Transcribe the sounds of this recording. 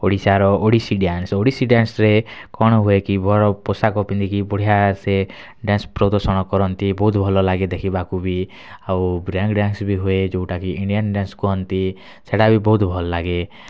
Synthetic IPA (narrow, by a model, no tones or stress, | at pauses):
oɽisaɾɔʔoɽisiɖansoɽisiɖansɾekɔɽ̃ɔɦuekibʱɔɽɔposakɔpind̪ikibɔɽ̤ijase | ɖanspɾɔd̪ɔsɔɽ̃ɔkɔɾɔnt̪ibɔɦut̪bʱɔlɔlaɡed̪ekʰibakubʱi | awbɾaŋkɖansbʱiɦued͡ʒouʈakiiɳɖijanɖenskuɦɔnt̪i | seɽabʱibɔɦut̪bʱɔlɔlaɡe